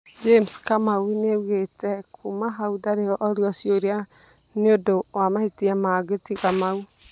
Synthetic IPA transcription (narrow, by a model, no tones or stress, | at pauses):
d͡ʒemskamawinewetɛkʰumaɦaudaɾeɔʔɔɾiɔsjoɾia | niodowamahitiamaɡetiɣamau